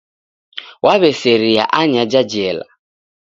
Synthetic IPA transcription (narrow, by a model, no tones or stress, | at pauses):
wʔaβɛseɾia̰ʔaɲad͡ʒad͡ʒɛla̰